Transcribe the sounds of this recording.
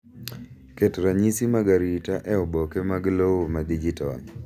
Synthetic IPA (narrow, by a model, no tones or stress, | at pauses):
ketɾaɲisimaɡaɾitaʔɛɔbɔkemaɡloomadid͡ʒitɔn